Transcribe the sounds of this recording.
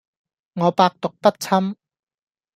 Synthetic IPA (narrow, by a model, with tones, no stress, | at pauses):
ŋɔː˨˧paː˧k̚t̪ʊ˨k̚pɐ˥t̚t͡sʰɐ˥m